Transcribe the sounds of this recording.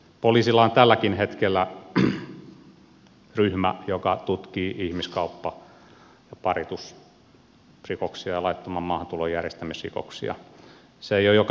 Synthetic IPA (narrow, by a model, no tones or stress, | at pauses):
poliːsilːɑont̪ælːækinhet̪kelːæ | ryhmæ̰jokɑt̪ut̪kiːʔihmiskɑupːɑ | jɑpɑrit̪us | rikoksiɑjɑlɑit̪ːɑmɑmmɑːhɑnt̪ulojjærjest̪æmisrḭko̰ksḭɑ̰ | seeijojok